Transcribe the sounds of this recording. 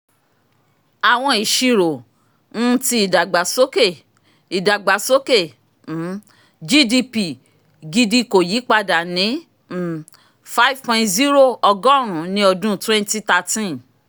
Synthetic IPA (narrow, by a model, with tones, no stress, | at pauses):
a˨w̃ɔ̃˧i˨ʃi˨˧ɾo˨ | n̩˦ti˧i˨da˨ɡ͡ba˨so˦ke˦˨ | i˨da˨ɡ͡ba˨so˦ke˦˨ | n̩˨˦ | d͡ʒi˦di˧pi˨ | ɡi˧di˧ko˨ji˨˦k͡pa˧da˨nĩ˨˦ | m̩˨ | fa˦i˦vpɔ̃˧ĩ˧tzi˦ɾo˦˨ɔ˧ɡɔ̃˦˨ɾ̃ũ˨˦nĩ˦ɔ˧dũ˦twɛ̃˦nti˧ta˧tĩ˦